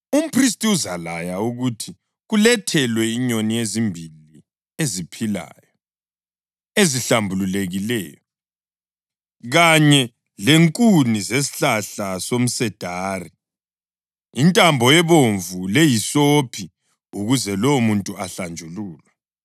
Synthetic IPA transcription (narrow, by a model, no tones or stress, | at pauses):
um̩pʰris̬tʼiuzalajauɣutʰi | ɣulɛtʰɛlwɛiɲonijezimbʱili | ezipʰila̰jɔ | eziɬambʱululeɣilɛ̰ːjɔ | ɣaɲɛ | leŋkʼunizes̬i̥ɬaɬasom̩sɛd̥ʱaːri | intʼambʱɔjɛβoɱvulejisopʰi | uɣuzɛlowmuntʼuaɬand͡ʒʱuluːlwa